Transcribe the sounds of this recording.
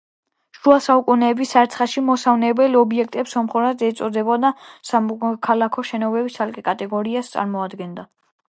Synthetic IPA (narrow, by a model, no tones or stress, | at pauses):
ʃuasaukʼunɛːbisaɾt̪sʰχaʃimɔsavnɛbɛlɔbiɛk̚ʰt̪ʼɛpsɔmχuɾazɛːt̪sʼɔd̪ɛbɔd̪asamɔkʰalakʰɔʃɛnɔbɛbisalkʼɛkʼat̪ʼɛɡɔɾiast̪sʼa̰ɾmɔad̪ɡɛnd̪a